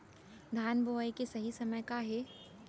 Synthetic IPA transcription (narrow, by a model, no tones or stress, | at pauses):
d̪ʱaːnbojkesɐɦisɐməjkaɦe